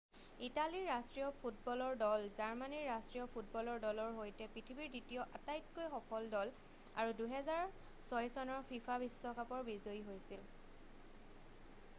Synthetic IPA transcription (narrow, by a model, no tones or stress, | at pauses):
italiɹastɹijɔpʰut̚bɔlɔɹdɔlzaɹmaniɹːastɹijɔpʰutbɔlɔɹdɔlɔɹɦojtɛpɹitʰibiɹditijɔʔatajtkojxɔkɔldɔl | a̰ɹuduɦɛzaɹ | sɔjsɔnɔɹpʰipʰabisːɔkapɔɹbizoiɦojsil